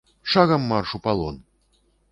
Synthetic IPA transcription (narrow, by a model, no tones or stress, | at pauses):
ʂaɣɐmːarʂupalˠɔn